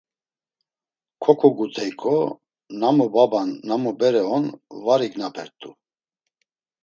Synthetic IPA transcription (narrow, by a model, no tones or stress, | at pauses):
kʰɔkʰɔɡut̪ʰɛjkʰɔ | namɔbabanːamɔbɛɾɛɔnvaɾiɡnapʰɛɾt̪ʼu